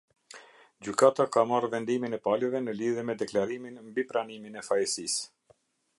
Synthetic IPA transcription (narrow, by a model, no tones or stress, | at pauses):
d͡ʑykat̪akamarvɛnd̪iminɛpalɛvɛnəliðjɛmɛd̪ɛklaɾiminmbipɾaniminɛfajɛsis